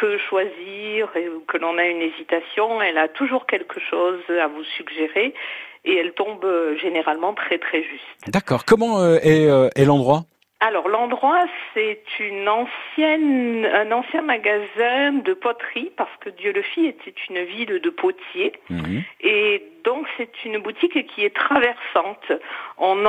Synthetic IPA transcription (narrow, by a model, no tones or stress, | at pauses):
pøʃwaziʁeukəlɔ̃naynezit̪asjɔ̃ɛlat̪uʒuʁkʲɛlkʰəʃozavusyɡʒeʁe | eɛlt̪ɔ̃bøʒeneʁalmɑ̃t̪χɛt̪χɛʒyst̪d̪akɔʁkɔmɑ̃øɛøɛlɑ̃d̪ʁwa | alɔʁlɑ̃d̪ʁwasɛt̪ʰynɑ̃sjɛnɛ̃nɑ̃sjɛ̃maɡazɛ̃d̪əpɔt̪χipaʁsə̥kəd̪jøləfiet̪ʰɛt̪ʰynvild̪əpʰot̪ʰje | ed̪ɔ̃ksɛt̪ynbut̪ikkʲʰiɛt̪χavɛʁsɑ̃t̪ɔ̃n